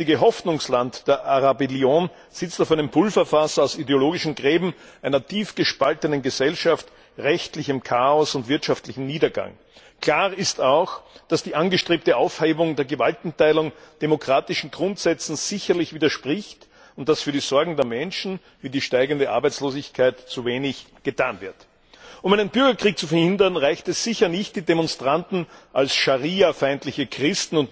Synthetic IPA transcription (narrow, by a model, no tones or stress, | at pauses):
ɪɡəɦɔfnʊŋslantd̥eːɐʔaʁabeljoːn | z̥ɪt͡staʊfæɪnəmpʰʊlfɐfasɐaʊsideoloːɡɪʃn̩ɡʁeːbm̩ʔæɪnɐtʰiːfɡ̥əʃpaltənənɡəzɛlʃaft | ʁɛçtlɪçəmkʰaːɔsʊntv̥ɪɐtʃaftlɪçn̩niːdɐɡa̰ŋ | kʰl̥aːʁɪstaʊxd̥asd̥iːʔanɡəʃtʁ̥eːp̚təʔaʊfheːbʊŋdeːɐɡəvaltn̩taɪlʊŋd̥emokʁ̥aːtɪʃn̩ɡʁʊntz̥ɛt͡sn̩z̥ɪçɐlɪçv̥iːdɐʃpʁɪçt | ʊnt̚d̥asfyːɐɾiːzɔɐɡŋ̩deːɐmɛnʃn̩ | viːdiːʃtaɪɡəndəʔa̰ɐbæɪt͡sloːzɪçkʰaɪtt͡suveːnɪçɡ̥ətʰaːnvɪɐt | ʔʊmæɪnənb̥ʏɐɡɐkʁ̥iːk̚t͡sufɛɐhɪndɐnʁaɪçtɛsz̥ɪçɐnɪçt̚d̥iːdemɔnstʁ̥antn̩ʔalsʃaʁiːafaɪntlɪçəkʁ̥ɪstn̩ʊnt